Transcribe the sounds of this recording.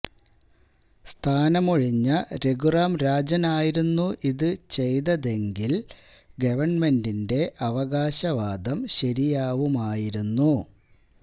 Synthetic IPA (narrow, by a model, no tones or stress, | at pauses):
st̪ʰaːnɐmoɻiɲːɐɾe̞ɡuraːmɾaːd͡ʑɐnaːjiɾunːuʔiðɨt͡ɕe̞jðɐðe̞ŋɡil | ɡɐʋɐɳme̞ndinde̞ʔɐʋɐɣaːɕɐʋaːd̪ɐmɕɐɾijaːʋumaːjiɾunːu